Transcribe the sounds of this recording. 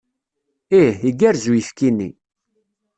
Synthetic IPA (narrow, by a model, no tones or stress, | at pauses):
ihiɡæɾzujəfkinːḭ